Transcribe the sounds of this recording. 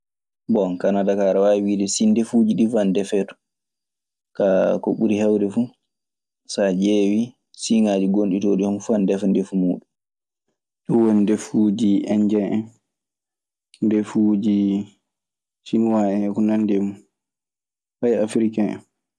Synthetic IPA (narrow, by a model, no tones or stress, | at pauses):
bɔnkanadakaɾawaiwidɛsindefud͡ʒiɗifandɛfɛːtɔ̥ | kakɔ̰ɓuɾihawdɛfu | sad͡ʒewi | siŋaːd͡ʒiɡonɗitɔɗiɔnfuandɛfɛndefumuːɗum | ɗuwɔndefud͡ʒiɛɲd͡ʒɛʔɛn | defud͡ʒi | sinwaɛɛkunandɛmu | hajafɾikaɛ̰n